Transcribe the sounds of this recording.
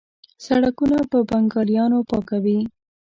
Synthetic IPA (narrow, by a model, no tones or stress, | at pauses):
saɽakunapəbaŋɡɑljɑnopɑkawi